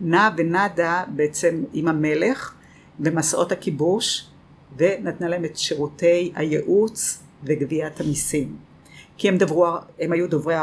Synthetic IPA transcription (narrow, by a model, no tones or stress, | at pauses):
navenadabeet͡semimhame̞le̞χ | vemasʔo̞thakibuʃ | ve̞natnalaɦemetʃeʁute̞jha̰jeʔut͡s | veɡviathamisim | kiemd̪avʁuaemajudovʁea